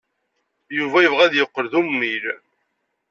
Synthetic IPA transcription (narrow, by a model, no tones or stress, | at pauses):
juvæjəvʁæðjəqːəɾðumːil